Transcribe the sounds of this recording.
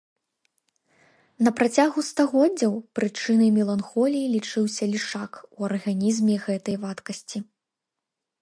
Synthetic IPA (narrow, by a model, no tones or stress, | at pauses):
nɐpɾat͡sʲaɣust̪aɣɔd͡zʲːɐwpɾɨt͡ʂɨnɨmʲɛlˠanxɔlʲijilʲit͡ʂɨwsʲɐlʲiʂakuɐrɣanʲizmʲɛɣɛt̪ɐjvat̪kɐsʲt͡sʲi